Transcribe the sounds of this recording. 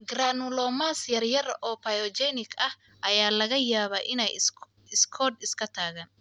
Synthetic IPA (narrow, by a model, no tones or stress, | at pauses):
ɡraːnʊlɔːmaːsjɐrjɐrɔːpʰɐjɔt͡ʃɛnɪkʰɐh | ʔɐjaːlɐɣɐjaːβɐʔɪnɛj | ɪskʰɔːd̪ɪskʰɐt̪ʰaːɣaːn